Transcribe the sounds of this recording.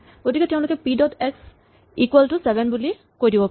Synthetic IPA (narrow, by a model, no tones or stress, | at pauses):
ɡ̥otikɛtɛʊ̃lʊkɛpidɔdeks | ikwɛlʈusɛbʱɛnbuli | kojdibɔp